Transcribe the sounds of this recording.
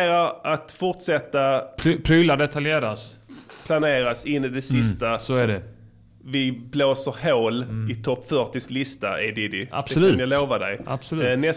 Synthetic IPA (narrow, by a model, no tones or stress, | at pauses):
ɾaɾat̪fʊʈsɛt̪ːapʰpʰɾyladɛt̪ʰaljeːɾas | pʰlaneːɾasɪnːɪd̪ɛsɪst̪asɔæɖɛ | vɪbloːsəɾɦoːlɪt̪ʰɔpːfœʈɪslɪst̪aʔɪd̪ɪd̪ɪa̰b̥sɔlʉːjaloːvad̪ɛ̰ja̰b̥sɔlnɛs